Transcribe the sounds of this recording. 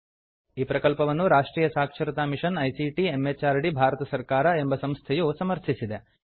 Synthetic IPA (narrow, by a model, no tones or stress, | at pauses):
iːpɾɐkɐlpɐʋɐnːuɾaːʂʈɾiːjɐsaːkʂɐɾit̪aːmiʂɐnɐjsiʈiemːeːt͡ʃaːɾɽibʱaːɾɐt̪ɐsɐɾkaːɾɐe̞mbɐsɐmst̪ʰɛjusɐmɐɾt̪ʰisid̪e